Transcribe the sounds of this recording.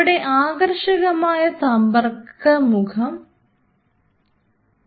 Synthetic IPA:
ɽe̞ʔaːɡrʂɐɣɐmaːjɐsɐmbɐrkːɐmukʰɐm

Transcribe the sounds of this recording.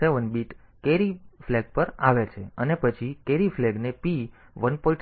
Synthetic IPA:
eʋənbiʈ | keɾifleɡ̚pəɾaʋet͡ʃʰeənepət͡ʃʰikeɾiflɛɡnepi | ʋənpɔiʈ

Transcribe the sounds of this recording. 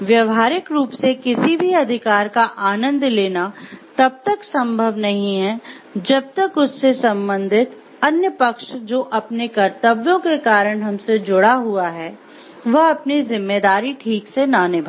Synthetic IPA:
ʋjɐʋɦaːɾɪkɾuːpsekɪsibʱiɐd̪ʱɪkaːɾkaʔaːnə̃nd̪leːnat̪ɐb̚t̪əksɐ̃mbʱəʋnɐɦĩɦɛ | d͡ʒɐb̚t̪əkʊsːesɐ̃mbə̃nd̪ʱɪt̪ | ɐnjəpɐkʃd͡ʒoːʔɐpnekɐɾt̪əbjõkekaːɾəɽ̃ɦɐmsed͡ʒʊɽaɦuaɦɛː | ʋɐɦɐpnizɪmːeːd̪aːɾiʈʰiːksenanɪbʱa

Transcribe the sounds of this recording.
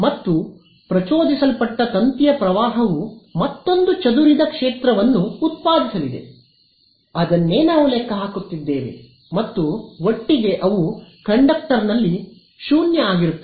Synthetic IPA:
mɐt̪ːu | pɾɐt͡ʃoːd̪isɐlpɐʈːɐt̪ɐnt̪ijɐpɾɐʋaːɦɐʋumɐt̪ːo̞nd̪ut͡ʃɐd̪uɾid̪ɐkʂeːt̪ɾɐʋɐnːuːt̪̚paːd̪isɐlid̪e̞̰ | ɐd̪ɐnːe̞ːnaːʋuleːkɐɦaːkut̪ːid̪ːḛːʋḛ | mɐt̪ːuʋoʈːiɡe̞ʔɐʋukɐɳɖɐk̚ʈɐɾnɐlːi | ʃuːnjɐaːɡiɾut̪ː

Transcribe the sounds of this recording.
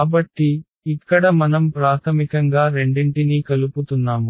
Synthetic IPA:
bɐʈːiː | kːɐɽɐmɐnɐmpɾaːt̪ʰɐmikɐŋɡaːɾe̞ɳɖiɳʈinikɐluput̪unːaːmu

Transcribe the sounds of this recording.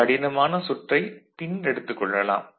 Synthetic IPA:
ɐɽɪnɐmaːnɐsʊʈrɐɪp̪ɪnɛɽɯt̪ːɯkːɔɭːɐla̰ːm

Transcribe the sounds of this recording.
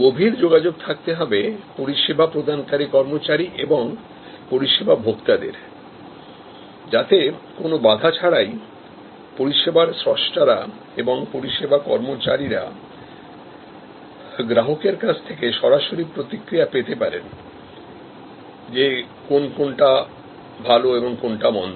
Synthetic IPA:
ɡobʱiɾd͡ʑoɡad͡ʑoɡ̚t̪ʰak̚t̪eɦɔbepoɾiʃebʱapɾod̪ʱankaɾikɔɾmot͡ɕaɾiʔeboŋ | poɾiʃebʱabʱokt̪ad̪ḛɾ | d͡ʑat̪ekonobad̪ʱat͡ɕʰaɾaj | poɾiʃebaɾsɾoʃʈaɾa̰ | eboŋpoɾiʃebʱakɔ̰ɾmot͡ɕaɾiɾa̰ | ɡɾaɦokeɾkat͡ɕʰt̪ʰekeʃɔɾaʃoɾipɾot̪ikːɾijapet̪epaɾḛn | d͡ʑe | konkonʈa | bʱaloeboŋkonʈamɔ̰n

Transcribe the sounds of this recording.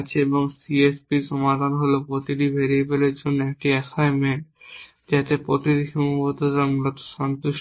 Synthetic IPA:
t͡ɕʰeeboŋsiespiɾʃɔmad̪ʱanɦolopɾot̪iɾibʱeɾiebeleɾd͡ʑonːoek̚ʈiɛsajmeɳʈ̚ | d͡ʑat̪epɾot̪iɾiʃɔmubot̪od̪amulɔt̪o̥ʃant̪uʃ

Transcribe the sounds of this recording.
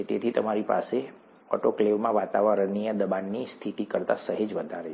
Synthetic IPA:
et̪et̪ʰit̪əmaɾipa̰se | ɔ̰ʈokleʋmãʋat̪aʋəɾənːijəd̪əbanːist̪ʰiʈ̪ikəɾt̪a̰səɦed͡ʒʋəd̪ʱaɾe

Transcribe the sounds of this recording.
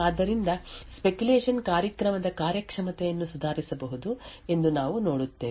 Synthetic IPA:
aːd̪ːɐɾind̪ɐspe̞kuleːʂɐnkaːɾjɐkɾɐmɐd̪ɐkaːɾjɐkʂɐmɐt̪ɛjɐnːusud̪ʱaːɾisɐbɐɦud̪ue̞nd̪unaːʋuno̞ːɽut̪ːe̞ː

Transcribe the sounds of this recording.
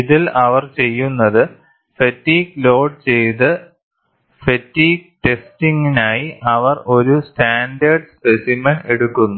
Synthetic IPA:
iðilɐʋɐrt͡ɕe̞jːunːɐðɨ | fetːiːklo̞ːɖt͡ɕe̞jt̪̬ɨ | fetːiːk̚ʈe̞stiŋɡinaːjiʔɐʋɐro̞ɾusʈaːnɖɐrɖspesimɐneɽukːunːu

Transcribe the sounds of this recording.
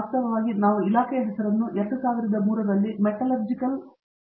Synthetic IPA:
st̪ɐʋɐʋaːɡinaːʋuilaːkɛjɐɦɛsɐɾɐnːuʔeʈːusaːʋɐɾid̪ɐmuːɾɐd̪ɐlːimɛʈɐlɐɾd͡ʒikɐl

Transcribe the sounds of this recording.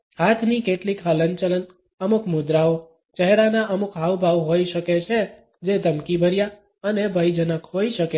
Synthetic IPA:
kat̪ʰnikeʈlikʰɦələnt͡ʃələn | əmukʰmud̪ɾao | t͡ʃəɦɾanaʔəmukʰɦaʋbʱaʋɦojʃəket͡ʃʰe | d͡ʒed̪əmkibʱəɾja | ənebʱəjd͡ʒənəkhoiʃəke

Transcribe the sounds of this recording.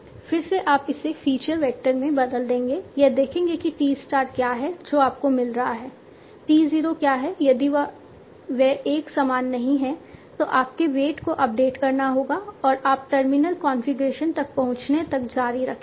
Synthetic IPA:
fɪɾseʔaːpɪsefiːt͡ʃəɾʋɛːk̚ʈəɾmẽbɐd̪əld̪ẽːŋɡeːjɐd̪eːkʰẽːŋɡekiʈiːzʈaːɾkjaːɦɛd͡ʒoːaːp̚komɪlɾɐɦaɦɛː | ʈiːziːɾokjaːɦɛjɐd̪iʋ | ʋɛeːksaːmaːnːɐɦĩɦɛ̃t̪oʔaːp̚keʋeːʈkoʔɐp̚ɖeːʈkɐɾnaɦoːɡaɔːɾʔaːp̚ʈɐɾmɪnəlkɔːnfɪɡɾeːʃənt̪ɐk̚pɐɦʊ̃t͡ʃnet̪ɐkd͡ʒaːɾiɾɐkʰe

